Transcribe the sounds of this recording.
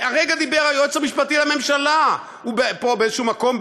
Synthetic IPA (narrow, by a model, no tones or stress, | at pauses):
aʁeɡad̪ibeʁajot͡samiʃpat̪ilame̞mʃala | ubepobeezeʃumako̞m